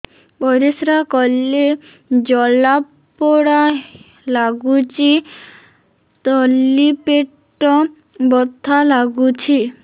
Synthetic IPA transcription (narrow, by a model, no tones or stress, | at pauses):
pɔjɾesɾakɔlːe | d͡ʑɔlab | pɔɽa | laɡut͡ɕi | t̪ɔlːipeʈː | ɔ | bɔt̪ʰːalaɡut͡ɕʰi